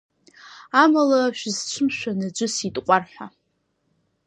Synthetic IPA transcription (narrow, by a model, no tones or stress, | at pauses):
amalaʃᶣɪzt͡ʃʷʰɨmʃᶣanad͡ʒʷɨsitʼqʷʼarħᶣʷa